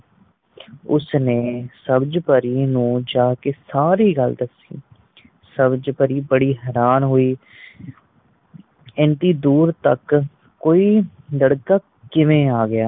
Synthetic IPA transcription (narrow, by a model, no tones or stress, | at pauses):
ʊsneːsəbd͡ʒpəɾiːnũːd͡ʒaːkeːsaːɾiːɡəld̪əsḭː | səbd͡ʒpəɾiːbəɽiːɦɛːɾaːnɦoːiː | ɛ̃nt̪iːd̪uːɾt̪ə̰k | kːoːiːləɽkaː | kɪʋẽːaːɡɪjaː